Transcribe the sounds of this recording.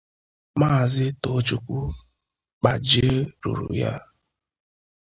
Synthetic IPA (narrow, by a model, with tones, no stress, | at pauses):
maː˦˨zɪ˦to˨˦t͡ʃu˨kʷu˦ | k͡pa˨d͡ʒi˦e˦ɾṵ˨ɾṵ˨ja̰˦